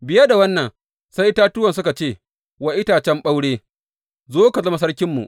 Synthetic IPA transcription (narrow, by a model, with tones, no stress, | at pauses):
bɪ˨˦ja˦da˨wɐ˦nːɐ˨ŋ | sa˦jtaː˦tʊ˦wɐ˨ns̬ʊ˦ka˨t͡ʃeː˦˨ | wɐ˦ʔɪ˦taː˨t͡ʃɛ˦mɓa˦wɽeː˦ | zoː˦ka˨zɐ˦ma˨s̬ɐ˦rkʲɪ˦mːṵ˨ʔ